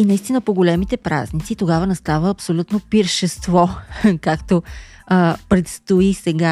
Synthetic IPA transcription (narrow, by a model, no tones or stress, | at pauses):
inɐist̪inəpoɡolʲɛmit̪ɛpɾa̰znit̪sit̪oɡavənɛst̪avəːpsolʲut̪nopiɾʃɛst̪vɔkakt̪o | pɾɛt̪st̪oisɛɡa